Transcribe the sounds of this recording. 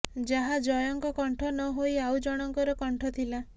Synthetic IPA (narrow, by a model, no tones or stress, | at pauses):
d͡ʒaɦad͡ʒɔjɔŋkɔkɔɳʈʰɔnɔɦojawd͡ʒɔɽ̃ɔŋkɔɾɔkɔɳʈʰɔt̪ʰila